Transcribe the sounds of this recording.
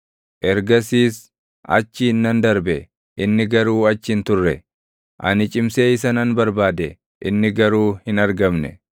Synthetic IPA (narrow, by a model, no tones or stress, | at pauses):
ʔɛɾɡɐsiːs | ɐ̰t͡ʃːɪɪnːɐnd̪ɐɾbɛ | ʔɪnːɪɡɐɾuːɐt͡ʃːɪnt̪ʊrːɛ | ʔɐ̰nɪt͡ʃʼɪmseːɪs̬ɐnɐnbɐɾbaːd̪ɛ | ʔɪnːɪɡɐɾuːhɪnɐɾɡɐmnɛ̰